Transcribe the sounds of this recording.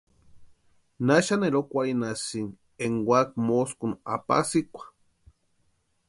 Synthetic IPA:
naʃaneɾokʷaɾinasiŋ | eŋwʷak̚moskuna̰pa̰sikʷḁ

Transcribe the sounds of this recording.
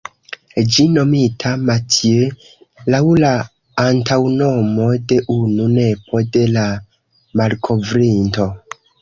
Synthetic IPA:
d͡ʒino̞mitʰamatʰie | lawlaː | ntʰawno̞mo̞de̞ʔunune̞pʰo̞de̞la | malkʰo̞vɾinto̞

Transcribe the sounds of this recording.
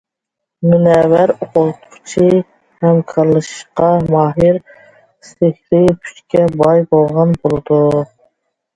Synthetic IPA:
munɛwæɾoqʊlˠt̪ʰʊ̥χt͡ʃʰi | hɛmkʰɑɾlˠɨʃɨ̥ʃqɑmɑːɦɪɾ | sehɾɪpʰy̥t͡ʃkʲɛbɑjbolˠʁɑnbolˠɨd̪u

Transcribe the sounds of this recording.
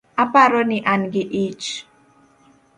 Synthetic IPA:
apaɾoniʔanɡiʔit͡ʃ

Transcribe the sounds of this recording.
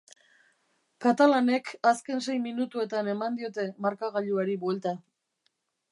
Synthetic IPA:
kat̪alane̞kaske̞nse̞jminut̪ue̞t̪ane̞mand̪io̞t̪e̞maɾkaɣ̞aʎuaɾiβwe̞lt̪a

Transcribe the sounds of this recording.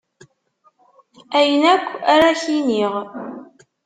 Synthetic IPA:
æjənækʷːaɾaçiniʁ

